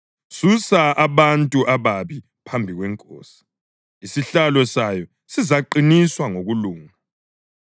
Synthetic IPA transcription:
susaʔaβantʼuʔaβaβi | pʰambʱiɣwɛŋkʼɔ̰ːsi̥ | isiɬalɛsajɔ | sizaǃiniswaŋoɣuluːŋa

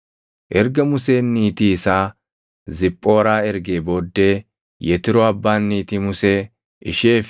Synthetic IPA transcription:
ʔɛɾɡɐmʊse̞ːnːiːt̪iːɪsaː | zɪpʼːo̞ːɾaːɛɾɡe̞ːbo̞ːd̪ːe̞ː | jɛt̪ɪɾɔɐbːaːnːiːt̪imʊseː | ʔɪ̰ʃeːf

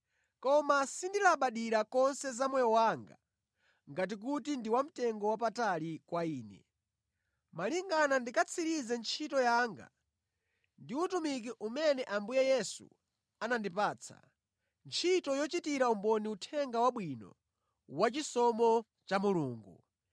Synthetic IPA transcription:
kɔmasindilaɓaɗiɾakɔnsɛzamwɛjɔwaŋɡa̰ | ŋɡat̬ik̬utindiwam̩tɛŋɡɔwap̬atalikwaiːnɛ̰ | maliŋɡanandikat͡sʰiɾizɛnt͡ʃʰitɔjaːŋɡa̰ | ndiutumik̬iʔumɛnɛʔambujɛjɛsṵ | anandipaːt͡sʰa̰ | nt͡ʃʰitɔjɔt͡ʃitiɾaumbɔniutʰɛŋɡawaɓwinɔ̰ | wat͡ʃisɔmɔ | t͡ʃamuluːŋɡṵ

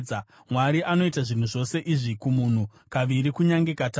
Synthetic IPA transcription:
mwaɾiʔano̞itaʐin̤uʐo̞se̞ʔiʐikumun̤u | kaʋiɾikuɲaŋɡe̞kata

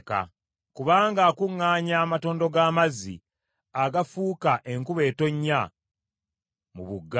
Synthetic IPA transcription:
ka̰ | kuβaːŋɡaːkuŋːaːɲaːmato̞ːndo̞ɡaːmazḭ | aɡafuːkaʔe̞ŋkuβe̞ːto̞ɲːa | muβuɡːa

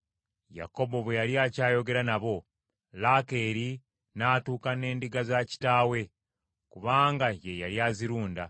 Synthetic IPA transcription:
ja̰ko̞bo̞βwejaljaːcaːjo̞ɡe̞ɾanaβo̞ | laːke̞ːɾi | naːtuːkane̞ːndiɡazaci̥taːwe̞ | kuβaːŋɡajejaljaːziɾuːnda

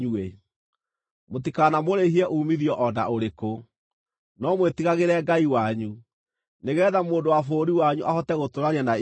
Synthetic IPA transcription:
ue | motikanamoɾeɦiɛʔuːmiðiɔʔɔna̰oɾeko | nɔmwetiɣaɣeɾɛːɡaiwaɲu | neɣɛːðamoːndowafoːɾiwaɲuʔahɔtɛɣotoɾaɲana

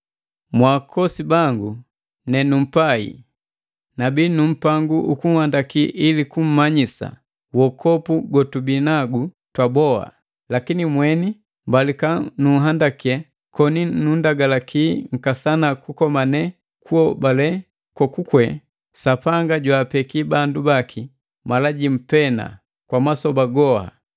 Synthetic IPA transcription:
mwaːkʰɔsibaŋɡu | nɛnum̩paḭ | nabinum̩paŋɡuʔukuŋ̩handakiʔilikum̩maɲisa̰ | wɔkʰɔpuɡɔtubinaɡu | twabɔa̰ | lakinimwɛni | mbalikanuɦandakiɛ | kɔninundaɡalakʰiːŋ̩kasanakukɔmanɛ | kʰuɔbalɛ | kwɔkukwɛ | sapaŋɡaɟwaːpɛkibandubaki | malaɟim̩pɛna̰ | kwamasɔbaɡɔha̰

